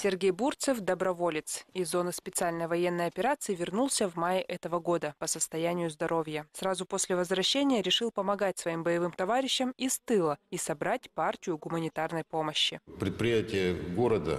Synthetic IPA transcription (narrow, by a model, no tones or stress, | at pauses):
sʲɪrɡʲejburt̪sɨfd̪əbɾɐvo̞lʲɪt̪sɪzːo̞nɨspʲɪt̪sɨalʲnəjəvɐjenːəjɐpʲɪɾat̪sɨɪvʲɪrnulˠsʲəvmajɪʔɛt̪əvəɡo̞d̪əpəsəst̪ɐjænʲɪjʊzd̪ɐɾʔo̞vʲjəsrazʊpo̞sʲlʲɪvəzvɾɐɕːenʲɪjəɾʲɪʂɨlˠpəmɐɡat̚ʲsvɐimbəjɪvɨmt̪ɐvaɾʲɪɕːɪmist̪ɨlˠəisɐbɾatʲpartʲɪjʊɡʊmənʲɪt̪arnəjpo̞məɕːɪpɾʲɪt̪̚pɾʲɪjætʲɪjəɡoɾəd̪ə̰